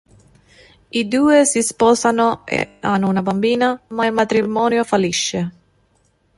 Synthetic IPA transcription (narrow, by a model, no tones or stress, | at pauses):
id̪uːɪsispɔːsano̰anunabambiːnamailmat̪ɾimɔːnjofaliʃːɪ